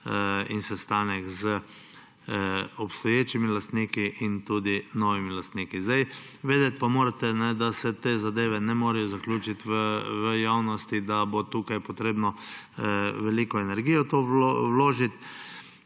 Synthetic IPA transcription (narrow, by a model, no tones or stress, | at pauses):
insɛst̪aːnɛkzə | ɔpst̪ɔjeːt͡ʃimilast̪niːkiʔint̪uːd̪inɔʋimilast̪niːkizd̪aj | ʋeːd̪ɛt̪̚pamoːɾat̪ɛnɛd̪asɛt̪eːzad̪eːʋɛnɛmoːɾɛjɔzaklʲuːt͡ʃit̪ʋəʋəjawnɔst̪id̪abot̪uːkajpɔt̪ɾeːbnɔ | ʋɛliːkɔɛnɛɾɡiːjɔt̪owowloːʒit̪